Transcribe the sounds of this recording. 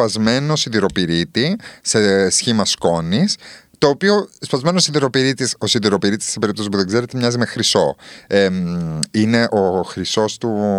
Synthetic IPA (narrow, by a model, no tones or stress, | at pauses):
ɐzme̞noosiðiɾo̞piɾit̪ise̞sçimɐsko̞nist̪o̞ːpio̞espɐzme̞nosiðiɾo̞piɾit̪isosiðiɾo̞piɾit̪i̥sepeɾipt̪osispuðeɡze̞ɾet̪emɲɐzime̞xɾiso̞e | ine̞ʔo̞xɾiso̞st̪u